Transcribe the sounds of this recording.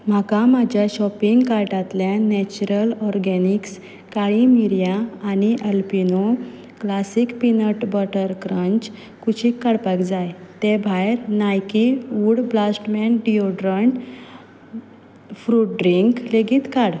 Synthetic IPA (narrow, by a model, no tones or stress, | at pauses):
m̤akamad͡ʑʱjaɕɔpiŋɡkaɾʈat̪ljanɛt͡ɕuɾəlɔɾɡɛniks | kaɭimiɾjaːniʔəlpino | klasikpinəʈbəʈəɾkɾə̃ɲt͡ɕ | kut͡ɕʰikːaɽpakd͡zajt̪ebʱajɾnajkiuɽblasʈmɛ̃nɖioɖɾəɳʈ | fɾuʈ̚ɖɾiŋkleɡiːt̪kaɽ